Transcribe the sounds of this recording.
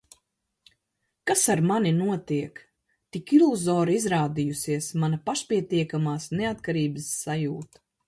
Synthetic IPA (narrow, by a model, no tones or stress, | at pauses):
kasaɾmaninuɔt̪iɛk | t̪ikilˠuzɔːɾizɾaːd̪ijusiɛsmanɐpaʃpʲiɛt̪iɛkamaːsneat̪kaɾiːbɨsːajuːt̪